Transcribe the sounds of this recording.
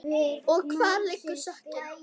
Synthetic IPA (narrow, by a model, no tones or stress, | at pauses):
ɔɣkʰvaːɾlɪkːʏsœhcɪ